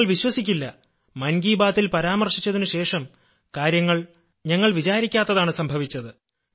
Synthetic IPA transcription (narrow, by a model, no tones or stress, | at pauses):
ɭʋiɕwɐsikʲːilːɐ | mɐnɡiːbaːt̪ːilpɐɾaːmɐrʂit͡ɕːɐðinɨɕe̞ːʂɐm | kaːɾjɐŋːɐɭ | ɲɐŋːɐɭʋit͡ɕaːɾikʲːaːt̪ːɐðaːɳɨsɐmbʱɐʋit͡ɕːɐðɨ